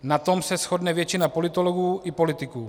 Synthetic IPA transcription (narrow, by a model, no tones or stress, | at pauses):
nat̪o̞msɛsxodnɛvjɛt͡ʃɪnapo̞lɪt̪oloɡuːʔɪpo̞lɪt̪ɪkuː